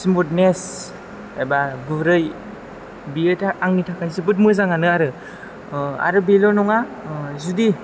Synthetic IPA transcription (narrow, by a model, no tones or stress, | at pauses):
simut̚nes | ajbaɡɯɾɯj | biɯtʰaaŋnitʰakʰajs̬ɯbɯt̬̚mɯzaŋanɯaɾɯ | a̰ɾɯbelɔnɔŋazudi